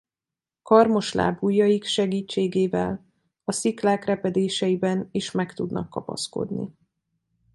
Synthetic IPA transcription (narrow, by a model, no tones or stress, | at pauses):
kɒrmo̞ʃla̰ːbuːjːɒjikʃɛɡiːt͡ʃːeːɡeːvɛ̰l | ɒsiklaːkrɛpɛd̪eːʃɛjibɛniʃmɛkt̪ud̪nʔɒ̰kːɒpɒ̰sko̞̰d̪nḭ